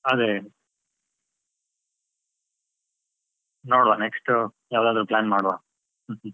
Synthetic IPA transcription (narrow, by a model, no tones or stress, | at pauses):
ad̪e | noːɽʋaneksʈjaːʋd̪aːd̪ɾuplaːnmaːɽʋa | h̩ɦ